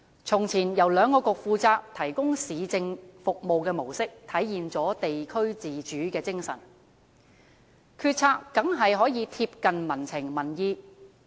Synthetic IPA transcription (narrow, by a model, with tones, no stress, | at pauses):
t͡sʰʊ˨˩ŋt͡sʰiː˨˩njɐ˨˩wlœː˨˧ŋkɔː˧kʊ˨k̚fuː˨˧t͡saː˧k̚t̪ʰɐ˨˩jkʊ˥ŋsiː˨˧t͡sɪ˧ŋfʊ˨k̚mo˨wkɛː˧mo˨˩wsɪ˥k̚t̪ʰɐ˨˥jjiː˨nt͡sɔː˨˥t̪e˨jkʰɵ˥ɥt͡siː˨t͡ʃyː˨˥kɛː˧t͡sɪ˥ŋsɐ̰˨˩n | kʰyː˧t̚t͡sʰaː˧kːɐ˨˥ŋɦɐ˨jɦɔː˨˥jiː˨˧t̪ʰiː˧p̚kɐ˨nmɐ˨˩nt͡sʰɪ˨˩ŋmɐ˨˩njiː˧